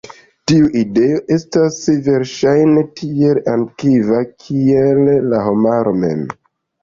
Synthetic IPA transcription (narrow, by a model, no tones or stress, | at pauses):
tiuʔideo̞ʔe̞stasve̞ɾʃajne̞tʰie̞lankivakʰielːaɦo̞maɾo̞me̞̰m